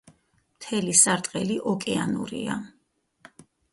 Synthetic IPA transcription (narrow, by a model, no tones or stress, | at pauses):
mt̪ʰɛlisaɾt̪ʼqʼɛliʔɔkʼɛanṵɾḭa̰